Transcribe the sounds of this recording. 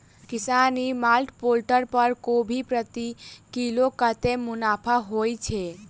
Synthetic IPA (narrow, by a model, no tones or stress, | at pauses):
kisanimalʈpolʈəɾpəɾkobʱipɾət̪ikilokət̪emʊnapʰaɦojt͡ʃʰɛ